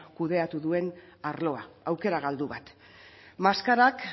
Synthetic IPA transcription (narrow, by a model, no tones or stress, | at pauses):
kuðe̞at̪uðue̞n | aɾlo̞aawke̞ɾaɣ̞ald̪uβat̪ | maskaɾak